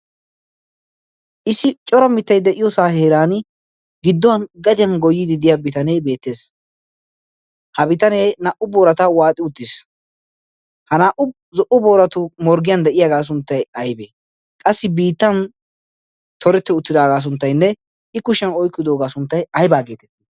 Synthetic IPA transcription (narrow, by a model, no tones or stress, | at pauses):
ʔɪsːɪt͡ʃʼɔɾɐmɪt̪ːɐjd̪ɛʔɪjɔsaːheːɾaːn | ɡɪd̪ːɔɐnɡɐd̪ɪjɐnɡɔjːɪd̪ɪd̪ɪjabɪt̪ɐneːbe̞ːt̪ːe̞ːs | hɐbɪt̪ɐneːnaːʔʊboːɾɐt̪ɐwaːt̪ʼɪʊt̪ːɪs | hɐnaːʔʊ | zɔʔʊboːɾɐt̪ʊmɔɾɡɪjɐnd̪ɛʔɪjaɡaːs̬ʊnt̪ːɐjɐjbeː | kʼɐsːɪbiːt̪ːɐn | t̪ʰɔɾɛt̪ːɛʊt̪ːɪd̪aːɡaːs̬ʊnt̪ːɐjnːɛ | ɪkʊʃɛnɔjkːɪd̪oːɡaːsʊnt̪ːɐjɐjbaːɡe̞ːt̪ɛt̪ːi